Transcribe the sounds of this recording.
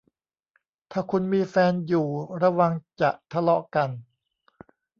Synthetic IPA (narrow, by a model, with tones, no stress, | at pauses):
t̪ʰaː˧˩kʰu˧nmiː˧fɛː˧njuː˨˩ɾa˧wa˧ŋt͡ɕa̰˨˩ʔt̪ʰa˧lɔ˦˥ʔka˧n